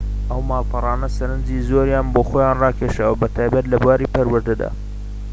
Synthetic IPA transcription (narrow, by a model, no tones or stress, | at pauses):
ʔɐwmaːlˠpʰɑrˤɑːnɐsɐɾɨnd͡ʒiːzoɾjaːnboːxoːjaːnrɑːkʰeʃawɐbɐt̪ʰaːjbɐt̪lɐbwaːɾiːpɐɾwɨɾd̪ɨd̪a̰ː